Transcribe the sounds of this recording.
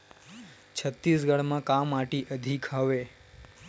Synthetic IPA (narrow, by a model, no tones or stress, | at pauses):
t͡ʃʰət̪ːis̬ɡəɽmãkamaʈiʔəd̪ʱikʰɦaʋe